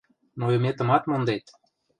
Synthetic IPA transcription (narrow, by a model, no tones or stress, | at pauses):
nojɤmet̪ə̆mɑt̪mond̪et̪